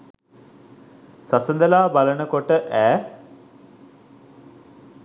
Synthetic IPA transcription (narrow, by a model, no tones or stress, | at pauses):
sɐsənd̪ɐlaːbɐləɳəkoʈːəʔɛː